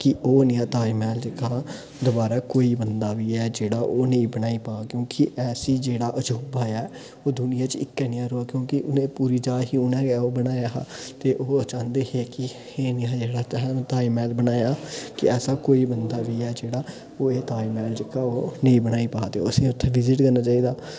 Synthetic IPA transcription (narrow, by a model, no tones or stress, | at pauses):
kɪʔoːnɪjãːt̪aːimɛːld͡ʒɪkaː | d̪obaːɾaːkoːiːbənd̪aːʋiːɛːd͡ʒeːɽaːʔoːneĩːbənaːiːpaːkjõːkɪʔɛːsiːd͡ʒeːɽaːʔəd͡ʒuːbaːɛː | oːd̪ʊnɪjãːt͡ʃɪkːɛnɪjãːɾoːaːkjõːkɪʔʊnẽːpuːɾiːd͡ʒaːɦiːuːnɛːɡaːoːbəɽaːjaːt̪eːʔoːət͡ʃãːnd̪eːɦeːkɪ | heːnɪãːd͡ʒeːɽaːt͡ʃɛɦːt̪aːimɛːlbənaːjaːkɪɛːsaːkoːiːbənd̪aːʋiːɛːd͡ʒeːɽaː | oːeːt̪aːimɛːld͡ʒɪkaːoːnəĩːbəñaːiːpaːt̪eo̰əsĩːʊt̪ʰːeʋɪzɪʈkəɾnaːt͡ʃaːiːd̪aː